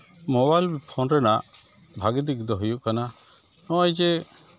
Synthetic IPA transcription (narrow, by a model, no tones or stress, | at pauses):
mɔbajlpʰɔnɾɛnaʔ | bʱaɡid̪iɡd̪ɔɦujuʔkana | nɔɔjd͡ʒɛ